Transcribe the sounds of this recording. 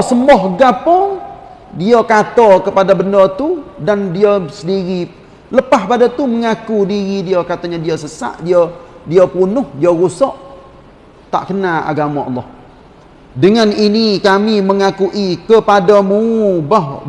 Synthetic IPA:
səmɔhɡapɔ | diakat̪ɔkəpadabəndɔt̪udandiasədiɾi | ləpahpadat̪uməŋakudiɣidiokat̪aɲadiosəsa̰ʔdiodiapunʊhdioɣusɔʔ | t̪a̰ʔkənaa̰ɡamaʔɑ̰lːɔh | dəŋaninikamiməŋakuʔikəpadamubɔh

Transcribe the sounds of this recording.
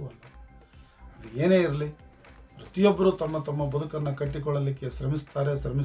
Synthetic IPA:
ɐlːɐ | ɐd̪ue̞ːne̞ːiɾɐli | ɾut̪ijobːɐɾut̪ɐmːɐt̪ɐmːɐbɐd̪ukɐnːɐkɐʈːikɔɭːɐlikːe̞ʃɾɐmist̪aːɾesɾɐmi

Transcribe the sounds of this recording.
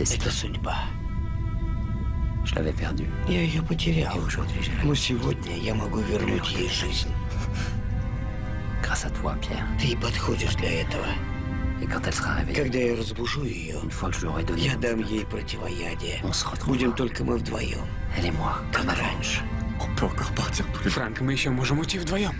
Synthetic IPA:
ɛt̪əsʊdʲba | ʒ̥əla̰vɛpɛʁd̪y | jajɪjopətʲɪɾʲa | kʒoviʒeʁnosʲɪvod̪ʲnʲəjamɐɡuvʲɪrnutʲjejʐɨzʲnʲ | ɡ̥ʁasat̪wa̰pjɛ̰ːʁt̪ɨipɐt̪xodʲɪʐd̪lʲɐɛt̪əvə | ekɑ̃t̪ɛlsəʁaʁḛvɛ̰kɐɡd̪ajaɾəzbʊʐujɪjo̰ynfwakʒəiɔʁɛd̪ɔnjad̪amjejpɾətʲɪvɐjadʲɪjəɔ̃sə̥ʁət̪ʁbudʲɪmt̪olʲkəmɨvd̪vɐ̰jo̰mɛlɛmwakakɾanʲʂɨ̥ɔpɔkɔʁpaʁt̪ʲiʁt̪u̥fɾaŋkmɨjɪɕːomoʐɨmʊtʲivd̪vɐjom

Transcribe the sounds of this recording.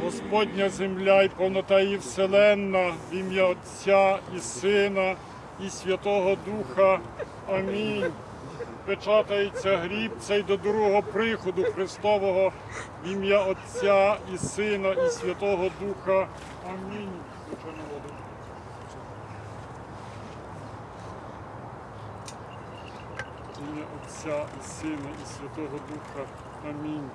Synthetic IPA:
ɦɔspɔdʲnʲɐzemlʲaipɔwnɔt̪ɑjiwselˠɛnːɐʋʲimjɐɔt͡sʲːaisɪnɐ | isʲʋʲɐt̪ɔɦɔd̪uxɐ | ɐmʲinʲ | pɾet͡ʃɑt̪ɐjet͡sʲːɐɦɾʲib̚t͡sʲɐjd̪ɔd̪uɾɦɔɦɔpɾɪxɔd̪ʊxɾɪst̪ɔʋɔɦɔ | ʋʲimjaɔt͡sʲːaisɪnɐisʲʋʲɐt̪ɔɦɔd̪uxɐ | ɐmʲinʲ | ʋɪt͡ʃɔnɔɦɔl | imjɐʔɔt͡sʲːaisɪnɐisʲʋʲɐt̪ɔɦɔd̪uxɐ | ɐmʲinʲ

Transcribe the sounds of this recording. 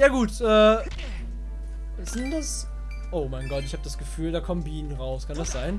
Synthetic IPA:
jaːɡuːtʔɛː | zɪndas | ʔoʊmaɪnɡɔtɪçhaːbəd̥asɡ̥əfyːldaːkʰɔmənbiːnənʁaʊskʰandasz̥aɪn

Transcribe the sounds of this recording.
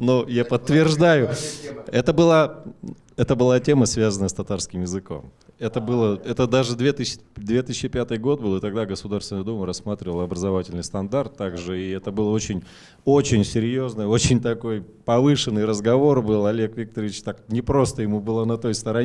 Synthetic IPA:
nojapət̪ːvʲɪrʐd̪ajʊɛt̪əbɨlˠa | ɛt̪əbɨlˠatʲe̞məsvʲazənəjəst̪ɐt̪arskʲɪmjɪzɨko̞̰m | ɛt̪əbɨlˠəɛt̪əd̪aʐɨd̪vʲet̪ɨsʲd̪vʲe̞t̪ɨsʲt͡ɕːɪpʲat̪ɨjɡo̞t̪̚bɨlˠɨt̪ɐɡd̪aɡəsʊd̪arst̪ʲɪnəjd̪uməɾɐsːmat̪ɾʲɪvəlˠəɐbɾəzɐvatʲɪlʲnɨjst̪ɐnd̪art̪ːaɡʐɨiɛt̪əbɨlˠəo̞t͡ɕɪnʲ | o̞t͡ɕɪnʲsʲɪɾʲjo̞znəjo̞t͡ɕɪnʲt̪ɐko̞j | pɐvɨʂɨnːɨjɾəzɡɐvo̞rbɨlˠɐlʲekvʲik̚t̪əɾvʲɪt͡ɕt̪aknʲɪpɾo̞st̪əjɪmubɨlˠənɐt̪o̞jst̪əɾɐ

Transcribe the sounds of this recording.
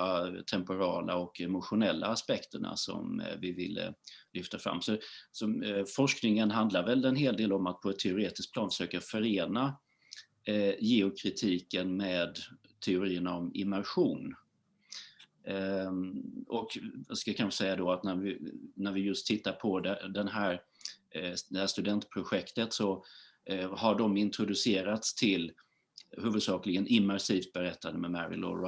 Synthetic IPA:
at̪ʰɛmpʊɾɑːlaɔkɛmʊɧʊnɛlːa̰ːspɛkt̪ʰəɳa̰sɔ̰mvɪvɪlːə̰lʏft̪afɾa̰mːsɔsɔfɔʂknɪŋənɦand̪laɾvɛlɛnɦeːld̪eːlɔmat̪̚pʰɔɛt̪ʰːɛʊɾeːt̪ɪsk̚plɑːnfə̥ʂøːkafœɾeːna | jeʊkʰɾɪt̪ʰiːkənmeːd̪t̪ʰɛʊɾiːəɳaɔmɪ̰mːæɾɧuːn | ɔkskakʰansɛjːad̪ɔat̪næɾvɪnæɾvɪjɵst̪ʰːɪt̪ːaɾpʰɔd̪ɛd̪ɛnɦæːɾ | d̪ɛhæːʂt̪ɵd̪ɛnt̪pʰɾʊɧɛkt̪ət̪sɔ | haɖɔmɪnt̪ʰɾʊd̪ɵseːɾat̪st̪ʰɪl | hʉ̟ːvɵd̪sɑːklɪɡənɪmːæɾʂiːft̪̚bɛɾɛt̪ʰːand̪əmɛmæɾɪ̰lɔ̰ɾ

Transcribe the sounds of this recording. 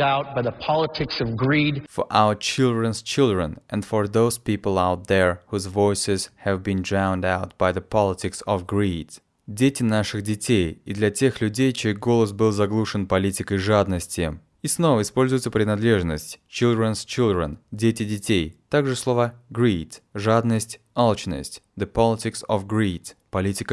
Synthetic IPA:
aʊt̚b̥aɪðəpʰɑlˠətʰɪksʌvɡɹidfəʔa̰ʊət͡ɕilˠd̪ɾə̃nst͡ɕɪlˠd̪ɾənɛ̃nd̪fəɹðoʊz̥pʲipəlˠawt̪̚ðəɹhuzvojsʲɪz̥hɛvbindɹawnd̪aʊt̪̚b̥ajðəpʰɑlˠɪtʲɪksɔvɡɹid̪ | dʲetʲɪnaʂɨɣdʲɪtʲejid̪lʲɐtʲe̞xlʲʉdʲejt͡ɕejɡo̞lˠəs̬bɨlˠzɐɡlˠuʂɨnpɐlʲitʲɪkəjʐad̪nəsʲtʲɪ | isno̞vəɪspolʲzʊjɪt̪səpɾʲɪnɐd̪lʲeʐnəsʲtʲt͡ɕilˠd̪ɾənst͡ɕilˠd̪ɾə̰ndʲetʲɪdʲɪtʲejt̪aɡʐɨslˠovəɡɾit̪ʐad̪nəsʲtʲ | alˠt͡ɕnə̰sʲtʲ | d̪əpɑlʲɪtʲɪksɔvɡɹit̪pɐlʲitʲɪkə

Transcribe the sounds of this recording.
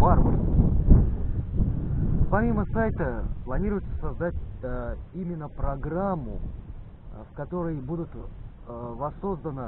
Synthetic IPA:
varo | pɐmʲiməsajt̪əplˠɐnʲiɾʊjt̪sə̥sɐzd̪atʲ | imʲɪnːəpɾɐɡɾamːʊ | fkɐt̪o̞ɾəjbud̪ʊt̪ | vɐsːo̞zd̪ənə

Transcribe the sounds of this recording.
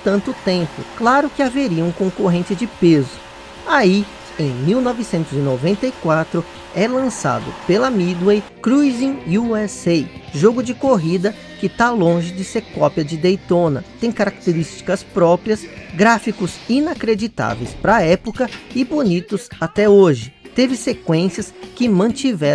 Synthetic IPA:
t̪ɐ̃nt̪ʊt̪ẽmpʊ̰klaɾʊkɪaveɾiɐũkõkoɦẽnt͡ʃɪd͡ʒɪpezʊ | ai | ẽj̃miwnɔvɪsẽnt̪ʊzɪnovẽnt̪ɐikwat̪ɾʊ | ɛlɐ̃sa̰d̪ʊ̰pelɐmid̪wejkɾuzĩuɛsejʒoɡʊd͡ʒɪkoɦid̪ɐ | kɪt̪alõʒɪd͡ʒɪseɾkɔpjɐd͡ʒɪd̪ejt̪õnɐt̪ẽj̃kaɾak̚t̪eɾist͡ʃi̥kɐspɾɔpɾiɐsɡɾafikʊzĩnakɾed͡ʒit̪a̰vḛjspɾɐɛpokɐɪbonit̪ʊzat̪ɛoʒɪt̪evɪsekwẽsjɐskɪmɐ̃t͡ʃivɛ

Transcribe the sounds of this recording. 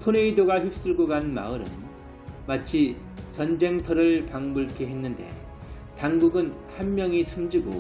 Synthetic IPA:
tʰone̞idoɡaçip̚s͈ɯɭɡoɡaɯnma̰ɯɾɯ̰n | mat͡ɕʰi | t͡ɕʌnd͡ʑe̞ŋtʰʌɾɯɭpaŋmɯɭkʰeɦenːɯnde̞̰ | taŋɡuɡɯn | hanmjʌŋisʰɯmd͡ʑiɡo̰

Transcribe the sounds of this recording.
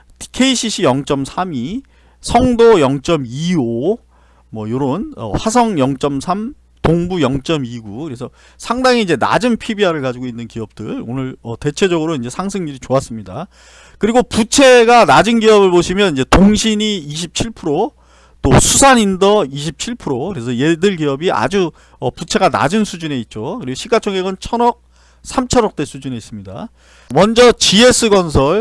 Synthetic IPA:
kʰe̞iɕʰiɕʰijʌŋt͡ɕ͈ʌmsʰami | sʰʌŋdojʌŋt͡ɕ͈ʌmio | mwʌjoɾonʌ̰ɸwasʰʌŋjʌŋt͡ɕ͈ʌmsʰam | toŋbujʌŋt͡ɕ͈ʌmiɡukɯɾe̞sʰʌ | sʰaŋdaŋiːd͡ʑe̞na̰d͡ʑɯnpʰibiɦaɾɯɭkad͡ʑiɡoinːɯnkiʌp̚t͈ɯɭonɯɭʌte̞t͡ɕʰe̞d͡ʑʌɡɯɾoind͡ʑe̞sʰaŋsʰɯŋɲiɾit͡ɕoas͈ɯmɲida | kɯɾiɡoput͡ɕʰe̞ɡanad͡ʑɯnɡiʌbɯɭboɕʰimjʌnind͡ʑe̞toŋɕʰiɲiːɕ̬ʰip̚t͡ɕʰiɭpʰuɾo | t͈osʰusʰanindʌiɕ̬ʰip̚t͡ɕʰiɭpʰuɾokɯɾe̞sʰʌje̞dɯɭɡiʌbiʔa̰d͡ʑu | ʌput͡ɕʰe̞ɡana̰d͡ʑɯnsʰud͡ʑune̞it̚t͡ɕ͈okɯɾiɡoɕʰiɡat͡ɕʰʌŋeɡɯnt͡ɕʰʌnʌk̚ | sʰamt͡ɕʰʌɾʌk̚t͈e̞sʰud͡ʑune̞is͈ɯmɲida̰ | mʌnd͡ʑʌt͡ɕie̞s͈ʰɯɡʌnsʰʌɭ

